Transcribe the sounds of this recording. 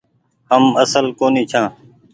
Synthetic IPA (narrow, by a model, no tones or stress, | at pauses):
həməsəlkoːniːt͡ʃʰãː